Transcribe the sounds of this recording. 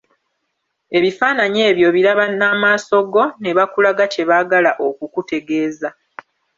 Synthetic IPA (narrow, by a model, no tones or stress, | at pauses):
e̞βifaːnaɲe̞ːβjo̞βiɾaβanaːmaːso̞ɡo̞neβakulaɡate̞βaːɡalaʔo̞kukute̞ɡe̞ːza